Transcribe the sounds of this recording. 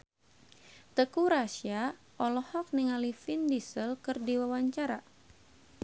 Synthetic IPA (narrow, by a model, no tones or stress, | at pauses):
t̪əkuɾasia | ʔɔlɔhɔk̚niŋalifindisəlkɨrdiwawaɲt͡ʃaɾa